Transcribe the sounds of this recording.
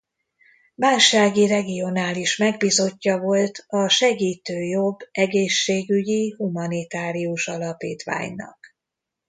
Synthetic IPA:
vaːlʃaːɡirɛɡio̞naːliʃmɛɡbiːzo̞cːɒvo̞lt̪ɒʃɛɡiːt̪øːjo̞bːɛɡeːʃːeːɡyɟihumɒnit̪aːɾiuʃɒlɒpḭːt̪ʋa̰ːɲnɒ̰k

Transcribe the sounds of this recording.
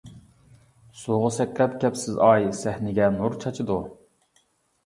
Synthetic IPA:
suʁʊsɛkʲʰlɛpkʲʰɛpsɪzɑjsæhnɪɡʲɛnuɾt͡ʃʰɑt͡ʃʰɨd̪u

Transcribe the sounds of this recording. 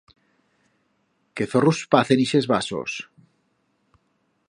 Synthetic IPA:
keθoruspaθeniʃezβaso̰s

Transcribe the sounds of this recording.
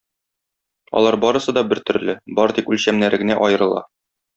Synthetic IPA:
ɒ̰lˠɑɾbɒɾɤ̆sɤd̪ɒbɘɾt̪ɵ̆ɾlɘbɒɾt̪ikʉlʲɕæmnæɾɘ̆ɡɘ̆næʔɒjɤ̆ɾɤ̆lˠɑ̰

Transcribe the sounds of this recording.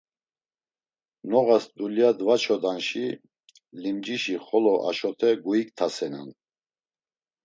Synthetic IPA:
nɔɣasd̪uliad̪vat͡ʃʰɔd̪anʃi | limd͡ʒiʃiχɔlɔʔa̰ʃɔt̪ʰɛɡuikt̪ʰasɛna̰n

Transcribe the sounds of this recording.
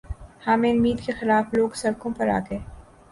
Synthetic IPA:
haːmẽʊmːiːd̪kexɪlaːfloːɡsɐɾkõpɐɾa̰ːɡeː

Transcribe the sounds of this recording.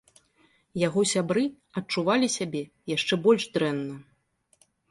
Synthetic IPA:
jaɣɔsʲabɾɨ | ɐtt͡ʂuvalʲisʲabʲɛ | jaʂt͡ʂɛbɔlʲʐd̪ɾɛnːɐ

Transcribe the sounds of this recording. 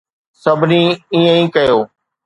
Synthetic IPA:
səbʱnĩːiːə̃ĩːkəjoː

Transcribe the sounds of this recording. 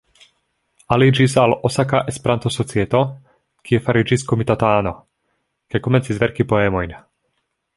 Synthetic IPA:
alid͡ʒisalosakaʔespeɾant̪osot͡siɛt̪o | kʰiɛfaɾid͡ʒiskomit̪at̪aːno̰ | kajkomɛnt͡sizvɛɾkipoɛmojn

